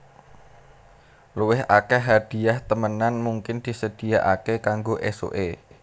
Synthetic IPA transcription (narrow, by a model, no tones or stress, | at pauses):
luwɪɦakɛɦad̪̥i̤aht̪əmənanmuŋkɪnd̪̥i̤səd̪̥i̤jaʔakekaŋɡoʔeso̰ʔe